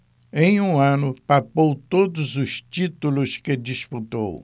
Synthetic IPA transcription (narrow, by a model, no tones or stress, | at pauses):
ẽj̃ũɐ̃nʊpapowt̪od̪ʊzʊst͡ʃit̪ulʊsked͡ʒisput̪o̰w